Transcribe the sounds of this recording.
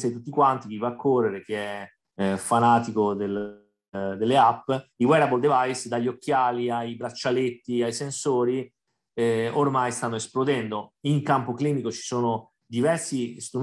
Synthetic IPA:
sɛt̪ut̪ːikwant̪ik̟ivːaːkʰːorːeɾek̟eɛ | fanaːt̪ikod̪el | d̪elːeapːiwɛɾabold̪evajsd̪aʎːokːjaːliajbɾat͡ʃːalet̪ːiajsensoːɾi | ormajst̪anːoesplod̪ɛnd̪oiŋkampokliːmikot͡ʃi̥soːno | d̪ivɛrsist̪ɾu

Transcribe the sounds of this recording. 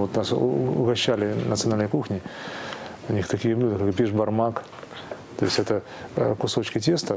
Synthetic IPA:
vot̪nasʊɡɐɕːælʲɪnət̪sɨɐnalnjkuxnʲɪ | ʊnʲixt̪ɐkʲijəblʲud̪ɨkakbʲɪʐbɐrmak | t̪o̞ɪsʲtʲɛt̪ə | kʊso̞t͡ɕkʲɪtʲe̞st̪ə

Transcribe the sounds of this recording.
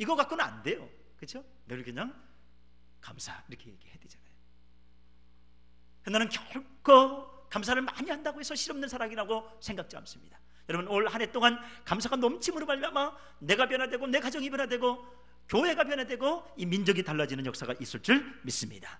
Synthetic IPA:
iɡʌkak͈una̰nde̞jo | kɯt͡ɕʰo | nɯɯɭkɯɲaŋ | kamsʰaiɾʌkʰe̞jeɡihedwed͡ʑanajo | kʌnːanɯnkjʌɭkʰʌ | kams̬ʰaɾɯɭmaɲiɦandaɡoɦe̞sʰʌɕʰiɾʌmnɯnsʰaɾaŋiɾaɡo | sʰe̞ŋɡak̚t͡ɕ͈ia̰ms͈ɯmɲid̥ḁ | jʌɾʌbunoɭhanɦe̞t͈oŋankams̬ʰaɡanʌmt͡ɕʰimuɾomaɭmiama | ne̞ɡap̬jʌnɦadwe̞ɡone̞kad͡ʑʌŋip̬jʌnadwe̞ɡo | kjoɦe̞ɡap̬jʌnɦadwe̞ɡoimind͡ʑʌɡitaɭːad͡ʑinɯnjʌk̚s͈aɡaʔis͈ɯɭt͡ɕ͈ɯɭmis͈ɯmɲida

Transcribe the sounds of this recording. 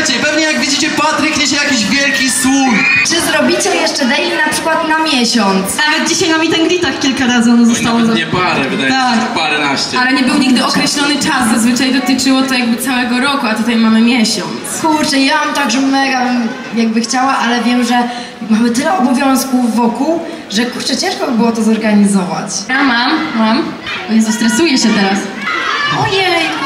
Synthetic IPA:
t͡ɕɛpɛvɲɛjaɡvʲid͡ʑit͡ɕɛpat̪ɾɘkɲɛɕ̬ɛjakʲiʑvʲjɛlkʲiswujt͡ʂɨzɾɔbʲit͡ɕɛjɛʂt͡ʂɛd̪ɛjinapʂɘkwat̪namʲjɛɕɔnt̪snavɛd̪̚d͡ʑiɕajnamʲit̪ɛnɡlʲit̪akkʲːilkaɾazɨɔnɔzɔst̪awɔɛb̪ | apaɾɛnaɕt͡ɕalɛɲɛbɘwɲiɡd̪ɘɔkɾɛɕlɔnɘt͡ʂaszazvɘt͡ʂajd̪ɔt̪ɨt͡ʂɘwɔt̪ɔjaɡ̚bɘt̪sawɛɡɔɾɔkuat̪ut̪ajmamɘmʲjɛɕɔnt̪skuɾt͡ʂɛijamamt̪aɡʐɛmɛɡabm | jaɡ̚bɘxt͡ɕawaʔalɛvʲjɛmʐɛ | mamɘt̪ɘlɛɔbɔvʲjɔ̃w̃skuːɔkuw | ʐɛkuɾt͡ʂɛt͡ɕɛ̃ʂkɔbɘbɨwɔt̪ɔzɔɾɡaɲizɔva̰t͡ɕɾamammam | vʲɛnzst̪ɾɛsujɛɕɛt̪ɛɾas | ɔjɛ

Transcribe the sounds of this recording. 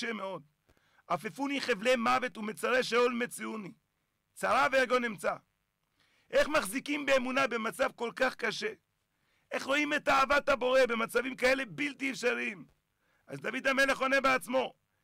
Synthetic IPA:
eme̞o̞d̪ | afefuniχevle̞mave̞t̪umet͡saʁeʃeolmet͡siuni | t͡saʁaveeɡo̞nimt͡sa | ʔe̞χmaχzikimbeːmunabe̞mat͡savko̞lkaχkaʃe̞ | ʔe̞χʁo̞ime̞t̪aːvat̪habo̞ʁe̞be̞mat͡savimkae̞le̞bilt̪iefʃaʁim | ʔazd̪avid̪ame̞leχo̞ne̞beat͡smo̞

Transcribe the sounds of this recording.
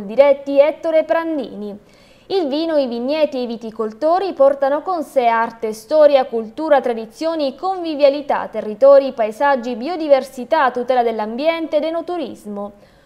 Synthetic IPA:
d̪iɾɛt̪ːiɛt̪ːoɾepɾand̪ḭːni | ilviːnoivinːjɛːt̪iejvit̪ikolt̪oːɾipɔrt̪anokonseart̪est̪ɔːɾjakult̪uːɾat̪ɾad̪it̪sːjoːnikoɱvivjalit̪a̰t̪ːerːit̪ɔːɾipaezad͡ʒːibiod̪iversit̪at̪ːut̪ɛːlad̪elːambjɛnt̪ed̪enot̪uɾizmo

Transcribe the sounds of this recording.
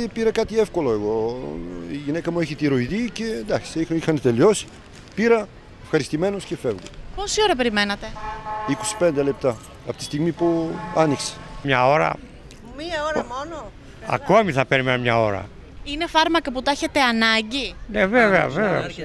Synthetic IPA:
piɾɐkɐt̪iefko̞lo̞e̞ɣo̞ | iʝinekɐmueçit̪iɾoiðice̞nd̪ɐksixixɐnet̪e̞lio̞si̥ | piɾɐ | efxɐɾist̪ime̞noscefevɣopo̞sio̞ɾɐp̬eɾime̞nɐt̪e̞ikosi̥pend̪e̞lep̚t̪ɐ | ɐpot̪ist̪iɣmipuɐnikse̥mɲɐo̞ɾɐ̰ | miɐoɾmono | ɐ̰ko̞miθɐpeɾime̞nomɲɐo̞ɾɐ̰ | ine̞fɐɾmɐkɐput̪ɐçet̪e̞ɐnɐɲɟineve̞veɐ̰veveɐ̰

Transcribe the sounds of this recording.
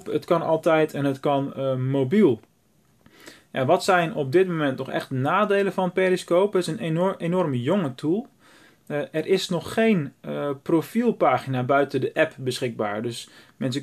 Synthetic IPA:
pətkɑnɑ̰lˠtɛjtɛnətkɑnmowbilˠ | jaʋɑtsɛjnɔb̚dɪt̚momɛntnɔχɛ̰xtnaːdejləfɑnpeliskoːpɪsənenɔrməjoŋətʰulˠ | ʔɛrʔɪsnɔχːejnprofilˠpaːχinabœɥtədəʔɛpbəsχɪɡ̚ba̰ːɹdøsmɛns̬ə

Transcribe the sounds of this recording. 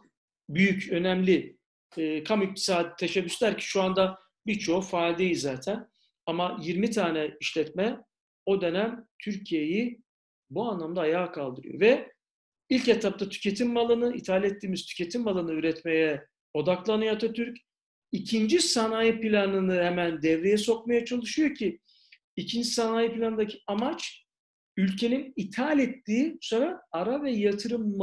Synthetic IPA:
byjycø̞nɛmlʲɪː | kʰamyc̚t̪ʰi̥saːd̪it̪ʰeʃɛbːyslʲæɾci̥ʃuand̪a | biɾt͡ʃʰo̞faːlʲd̪ejizzaːt̪ʰæn | amajiɾmit̪ʰaːnɛiʃlʲɛt̪mɛ | o̞d̪ø̞næmt̪ʰyɾcʰijeji | buanlˠamd̪aːjaːkʰalˠd̪ɯɾɯ̰jo̰vɛ | ilʲcɛt̪ʰːap̚t̪ʰat̪ʰy̥cʰe̞t̪ʰimːalˠɯnɯit̪ʰalʲɛt̪ːiːmiz̥t̪ʰy̥cʰʲe̞t̪ʰimːalˠɯnɯyɾɛt̪me̞jɛ | o̞d̪aklˠanɯjat̪ʰat̪ʰyɾc | icʰind͡ʒisanaːjipilʲanɯnɯhɛmænd̪ɛvɾe̞jɛso̞kmajat͡ʃʰalˠɯʃɯjo̞cʰi | icʰind͡ʒisanaːjipilʲanɯd̪acʰiamat͡ʃ | ylʲcʰe̞ninit̪ʰalʲɛt̪ːiːsoɾaaɾavɛjat̪ʰɯɾɯmː

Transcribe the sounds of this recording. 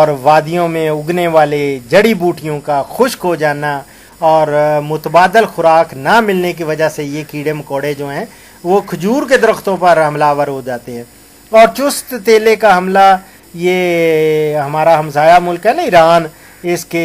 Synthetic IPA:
ɔːɾʋaːd̪ijõmẽʊɡneʋaːled͡ʒɐɽibuːʈʰijõkaxʊʃkod͡ʒaːna | ɔːɾmʊt̪baːd̪əlxʊɾaːknamɪlnek̬iʋɐd͡ʒasejekiːɽemkoːɽed͡ʒoːɦɛ̃ː | ʋokʰʊd͡ʒuːɾked̪əɾəxt̪õpɐɾɦɐmlaːʋəɾɦod͡ʒaːt̪eɦɛ̃ː | ɔːɾt͡ʃʊst̪t̪eːlekaɦɐmla | je | ɦɐmaːɾaɦɐmsaːjamʊlkɦɛnaɪɾaːn | ɪske

